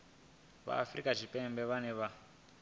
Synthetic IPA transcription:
ʋa̰ːfrikaʒipembeʋaneʋa

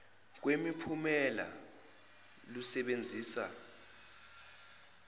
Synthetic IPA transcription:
k̬wemipʰumɛla̰ | lusɛɓend͡zʱiːsa

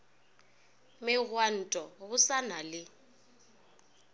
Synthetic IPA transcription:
mɪɣwan̩tʼɔɣʊsanalɪ

